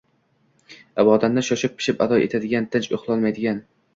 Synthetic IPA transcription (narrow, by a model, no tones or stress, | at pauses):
abɒd̪and̪aʃɒʃɪpʰːɪ̥ʃɪpa̰d̪ɒjʔet̪ʰad̪ɪɡʲant̪ʰɪnt͡ʃo̰χlˠɒnmajd̪ɪɡʲan